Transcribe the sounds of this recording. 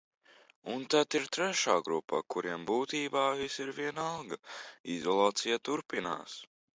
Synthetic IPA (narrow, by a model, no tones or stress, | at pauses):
unt̪at̪iɾt̪ɾɛʃaːɡɾupːa̰kuɾiɛmbuːt̪iːbaːvisiɾviɛnalˠɡɐizɔlˠaːt̪sijat̪uɾpina̰ːs